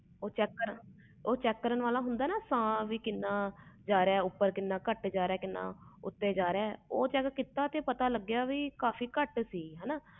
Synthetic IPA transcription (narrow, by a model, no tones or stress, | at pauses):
oːt͡ʃɛːkːəɾə | oːt͡ʃɛːkːəɾənʋaːlaːɦʊnd̪aːnaːsãːʋiːkɪnːãːd͡ʒaːɾeɛːʊpːəɾkɪnːãːkəʈd͡ʒaːɾeɛːkɪnːã̰ːʊt̪ːeːd͡ʒaːɾeɛːoːt͡ʃɛːkːkɪt̪aːt̪eːpət̪aːləɡjaːʋiːkaːfʰiːkəʈsiːɦɛːnaː